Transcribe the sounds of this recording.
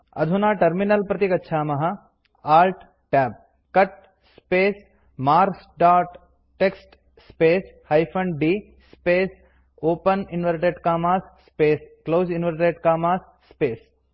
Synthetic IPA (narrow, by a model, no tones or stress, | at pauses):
ɐ̰d̪ʱunaːʈɐɾminɐlpɾɐt̪ikɐtːʃʰaːmɐɦɐ | aːlʈ | ʈɛːb̚ | kɐʈ̚ | speːs | maːɾsɖaːʈː | eksʈ | speːshɐjpʰɐɳɖɖiː | speːs | oːpɐninʋɐɾʈeːʈkaːmaːsːpeːskloːd͡ʒinʋɐɾʈeːʈkaːmaːsːpeːs